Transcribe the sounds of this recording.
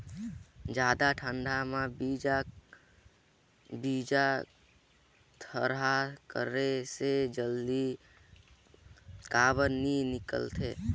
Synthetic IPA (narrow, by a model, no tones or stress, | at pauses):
d͡ʒaːd̪aʈʰə̃ɳɖʱamãbid͡ʒa | biːd͡ʒa | t̪ʰəɾɦakə̰ɾesed͡ʒəld̪i | kaːbəninɪkə̰lt̪ʰeː